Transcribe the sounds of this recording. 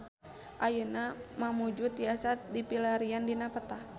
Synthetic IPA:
ʔajənamamud͡ʒut̪iasat̪̚dipilaɾiandinapət̪a

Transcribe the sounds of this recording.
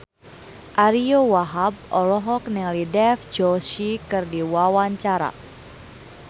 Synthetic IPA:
ʔaɾiowaɦab̚ʔɔlɔɦɔk̚nɛŋlidɛfd͡ʒɔsikɨrdiwawaɲt͡ʃaɾa̰

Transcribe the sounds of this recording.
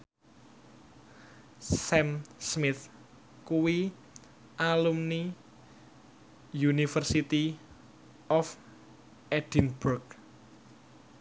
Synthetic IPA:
sɛmsmɪθ | kuwi | ʔalumni | junifərsit̪i | ɔf | ʔɛd̥inbʊrk̚

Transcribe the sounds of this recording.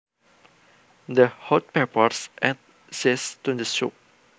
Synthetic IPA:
dəhɔt̚pɛpɔsʔɛ̃t̚ | sestudəsop̚

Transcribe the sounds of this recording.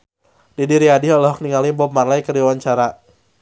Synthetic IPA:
didiɾiadiɦɔlɔɦɔk̚niŋalibɔpmarlajkəɾiwaɲt͡ʃaɾa

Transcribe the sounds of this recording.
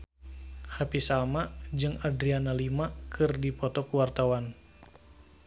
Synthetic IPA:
hapisalmad͡ʒɨŋadɾianalimakʰɨrdipɔt̪ɔkuwart̪awan

